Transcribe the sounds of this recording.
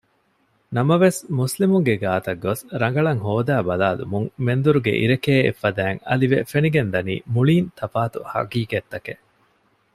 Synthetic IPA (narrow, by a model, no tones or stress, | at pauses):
nɐmɐʋesmuslimuŋɡeɡaːt̪ɐɡːosɾɐŋ̆ɡɐɭɐŋɦoːd̪æːbɐlaːlṵmuŋmend̪uɾuɡḛʔḭɾekeːḛfːɐd̪æːŋɐ̰liʋefeniɡend̪ɐnḭːmuɭiːnt̪ʰɐfaːt̪uhɐ̰kiːket̪ːɐke